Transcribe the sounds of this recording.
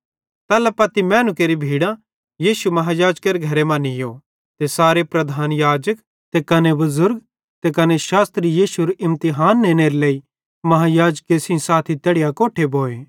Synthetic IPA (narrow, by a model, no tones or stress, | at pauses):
t̪ɛːlɐpɐt̪imɛ̃ːnʊkeːɾibʱiːɽã | jiːʃumɐɦajaːd͡ʒkeɾeɡʱɐɾemɐ̃ːnijo | t̪esaːɾepɾɐd̪ʱaːnjaːd͡ʒək | t̪ekɐnebɐzʊɾɡ̚ | t̪ekɐneʃaːst̪ɾijiːʃuɾʔɪ̃mt̪ɪɦaːnːeːñeɾileːi | mɐɦaːjaːd͡ʒkesɪ̃saːt̪ʰit̪eːɽɪjakoːʈʰebʱoːeː